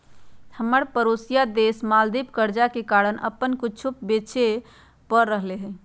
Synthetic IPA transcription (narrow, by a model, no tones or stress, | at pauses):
həmːəɾpəɾosijad̪esmald̪ipkəɾd͡ʒakekaɾənə̰pːənkut͡ʃʰupbet͡ʃʰe | pəɾːəɦleɦɛ